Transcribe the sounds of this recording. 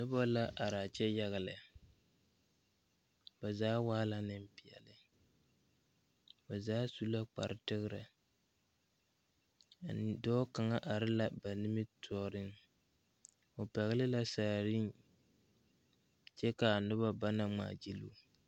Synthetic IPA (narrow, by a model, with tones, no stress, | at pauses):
nʊ˦ba˦la˦ʔa˨ɾaː˨t͡ʃɛ˦ja˦ɣa˨lɨ˨ | ba˨zaː˦waː˦la˦nɨ˦m˦pi˨ɛ̰˨lɨ˨ | ba˨zaː˦su˦la˦k͡pa̰˨ɾɪ˨tɨ˦ɣɾa̰˨ | n˨dɔː˦ka˨ŋa˦ʔa˨ɾɪ˦la˦ba˨nɪ˦mɪ˦tʰɔː˦ɾɨ˦ŋ | o˨pɛ˨ɣɪ˦lɪ˦la˦saː˨ɾi˦n | t͡ʃɛ˦ka˨nʊ˦ba˦ba˦na˨ŋ͡ma̰ː˨d͡ʒi˦lu˦